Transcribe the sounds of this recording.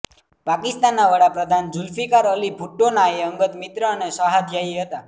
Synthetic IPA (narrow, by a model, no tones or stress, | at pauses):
pakɪst̪anːaʋəɽapɾəd̪ʱand͡ʒulfikaɾəlibʱuʈːonaeəŋɡət̪mit̪ɾəːnesəɦad̪jaiɦət̪a